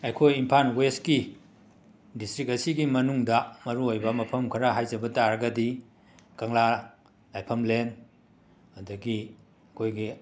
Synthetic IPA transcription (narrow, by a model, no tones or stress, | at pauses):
ɐjkʰojimpʰanweski | distɾik̚ɐsiɡimɐnuŋdɐmɐɾuojbɐmɐpʰɐmkʰɐɾaɦajzɐbɐtaɾɐɡɐdi | kɐŋla | lajpʰɐmlen | ɐdɐɡi | ɐkʰojɡi